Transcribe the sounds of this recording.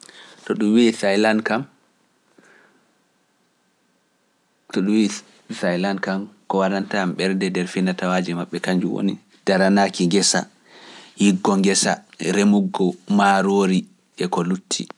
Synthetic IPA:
tɔɗumwisajlankam | tɔɗumwi | sajlankamkɔwaɾantamɓɛɾdɛdɛɾfinatawad͡ʒɛmaɓːɛkaɲd͡ʒuwo̰ni | d̥aɾanaːkiŋɡɛsa̰ | hiɡːɔŋɡɛsa̰ɾemuɡːɔmaɾoːɾi | ʔɛkɔlutʰːḭ

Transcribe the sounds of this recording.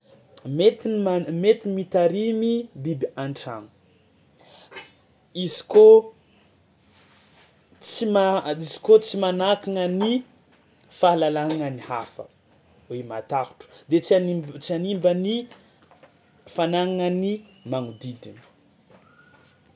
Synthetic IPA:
met̪inmet̪imit̪aɾimibibiaɳʈ͡ʂa̰ŋu̥ | izi̥ko | t͡simaizi̥kot͡simanakaŋəni | faɦlalaɦaŋənihafə̰ | wemat̪ahu̥ʈ͡ʂu̥d̪et͡sanit͡sianimbəni | fanaŋaŋənimaŋud̪id̪ini̥

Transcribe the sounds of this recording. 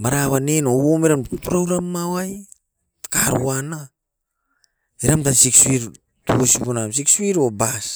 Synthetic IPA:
maɾaβanenowomeɾanpɾowɾamːawaj | kaɾṵana | iɾamtansikswiɾ | tuosiponamsikswiɾobas

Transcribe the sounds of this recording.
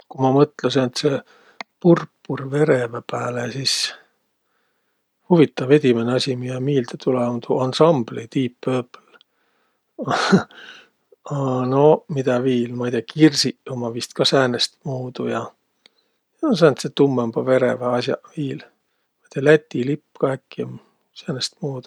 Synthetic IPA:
kumɑmɤt̪lesent̪se | purpːurve̞ɾe̞vɑpæːlesis | huvit̪ˑːɑve̞d̪ʲimeneɑsʲimijɑmiːld̪et̪uleont̪uɑnsɑmb̥lit̪iːpːøːpːl | ɑnomid̪̥ɑviːlmɑed̪ʲjɑkirsiomɑvist̪̚kɑsæːnest̪muːd̪ujɑ | jɑnos̬æːnt̪set̪umːemb̥ɑve̞ɾevɑɑsjɑ̰viːl | mɑit̪iɑlæt̪ʲːilipːkɑækːi | sæːnest̪muːd̪̥u̥

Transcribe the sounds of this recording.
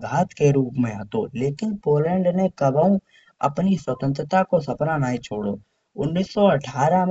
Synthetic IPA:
ɡʱaːt̪keɾuːpmẽa̰ːt̪oleːkɪnpoːlɛ̃ːɳɖnẽkəbəũ | ɐ̰pniswət̪ə̃nt̪ɾət̪akosɐpɾanaːit͡ʃʰoːɽoː | ʊnːiːsːɔəʈʰaːɾãm

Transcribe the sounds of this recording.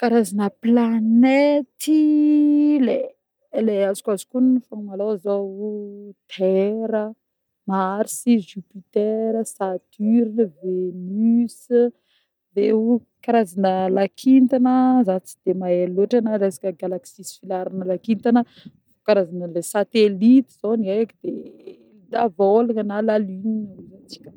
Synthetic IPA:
kaɾazanəplanet̪i | le | leazu̥kazi̥kunifamalowaza | t̪ʰɛɾə | maɾisiʒupit̪eɾəsat̪yɾinəvenys | veu | kaɾazanəlakʰint̪anəzat͡si̥d̪̥emaeloʈ͡ʂanaɾesḁkʲəɡalaksisfilaɾanəlakint̪anə | fokaɾazanəlesat̪elit̪iz̥oniajakid̪̥e | d̪avolaŋənalaliɲiaezant͡si̥kʲə̥

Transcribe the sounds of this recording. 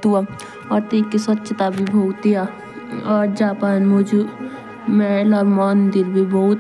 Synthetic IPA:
t̪ua | ɔːɾt̪iːkisətːʃʰət̪abʱibʱoːt̪ia | ɔːɾd͡ʒaːpaːnmʊd͡ʒ | mɛlɔːɾmaːnd̪ɪɾbʱibɔɦʊt̪

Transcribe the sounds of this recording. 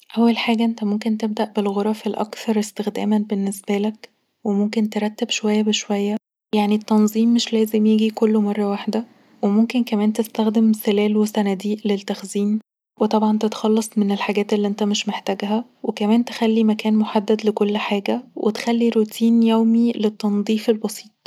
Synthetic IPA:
ʔæwːælħaːɡæʔent̪æmomkent̪eb̚d̪æʔbelɣoɾˤɑfelʔɑ̰kθɑɾˤest̪exd̪æ̰ːmænbenːesbælæk | wemomkent̪eɾˤɑt̪ːebʃowæjːæbeʃowæjːæ | jaʕnit̪ːɑnzˤiːmːeʃlæːzemjeɡikolːomɑrˤːɑwaħd̪æ | wemomkenkæmæːnt̪est̪æxd̪emselæːlwesænæd̪iːʔlelt̪ːæxziːn | wet̪ˤɑbʕɑnt̪et̪xɑlːɑsˤmenelħaɡæːt̪elːiʔent̪æmeʃmeħt̪æɡɦæ | wekæmæːnt̪e̥xælːimækæːnmoħad̪ːæd̪lekolːħaːɡæwʔḛt̪e̥xælːiɾot̪ʰiːnjæwmilet̪ːɑnd̪ˤiːfelbɑsˤi̥ːt̪ˤ

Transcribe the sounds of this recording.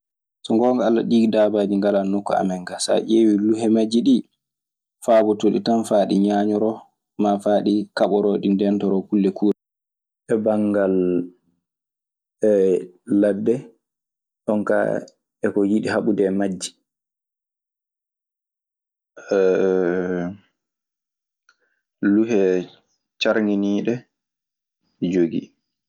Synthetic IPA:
sɔŋɡɔŋɡaala̰ɗiːɡdabad͡ʒiŋɡalanːɔkːɔa̰mɛŋɡasa̰ʔewiluɦɛmad͡ʒːiɗi | faːbɔtoɗitanfaːɗiɲaːɲɔɾɔ | mafaːɗikaɓɔɾɔɗindɛntɔɾɔkulːɛkʰuɛ | ɛbaŋɡal | ɛːadːɛ | ɗɔnka̰ | ɛkɔjiɗiɦaɓudɛmad͡ʒːi̥ | ɛ | luɦɛ | t͡ʃaɾŋɡiniːɗɛ | d͡ʒoɡḭ

